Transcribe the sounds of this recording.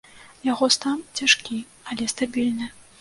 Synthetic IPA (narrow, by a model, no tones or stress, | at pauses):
jaɣɔst̪amt͡sʲaʂkʲi | ɐlʲɛst̪abʲilʲnɨ